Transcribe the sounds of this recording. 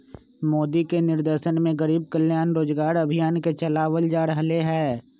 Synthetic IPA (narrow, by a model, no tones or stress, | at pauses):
moːd̪ikenɪɾd̪eːʃənmẽɡəɾiːb̚kəljaːnɾoːd͡ʒɡaːɾɐbʱijaːnket͡ʃɐlaːwəld͡ʒaːɾəɦleɦɛː